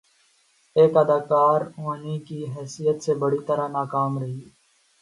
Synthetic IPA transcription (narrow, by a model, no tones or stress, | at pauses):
eːkəd̪aːkaːɾoːnikiɦɛːsijət̪sebəɽit̪əɾanaːkaːmɾɐɦiː